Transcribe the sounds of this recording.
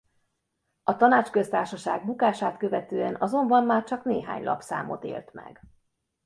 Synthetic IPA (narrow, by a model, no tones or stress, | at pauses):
ɒt̪ɒnaːt͡ʃkø̞st̪aːrʃɒʃaːɡ̚bukaːʃaːt̪kø̞vɛt̪øːɛnɒzo̞mbɒmːaːrt͡ʃɒkneːɦa̰ːɲlʔɒ̰psa̰ːmo̞̰t̪ḛːlt̪mɛ̰ɡ̥